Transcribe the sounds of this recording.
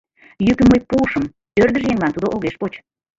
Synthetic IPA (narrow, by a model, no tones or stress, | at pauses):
jykəmːəjpuʃəm | ørd̪ə̆ʒjeŋlɑnt̪ud̪oʔoɣeʃpot͡ɕ